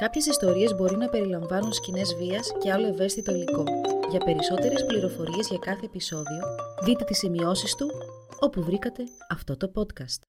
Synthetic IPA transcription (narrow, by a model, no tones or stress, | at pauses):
kɐpçe̞sist̪o̞ɾie̞zbo̞ɾinɐpe̞ɾilɐɱvɐnunscine̞zviɐsce̞ɐlo̞e̞ve̞st̪it̪o̞liko̞ʝɐpe̞ɾiso̞t̪e̞ɾe̞spliɾo̞fo̞ɾie̞zʝɐkɐθe̞ːpiso̞ðio̞ðit̪e̞t̪isimio̞sist̪uo̞puvɾikɐt̪e̞ | ɐft̪o̞t̪o̞po̞t̪kɐst̪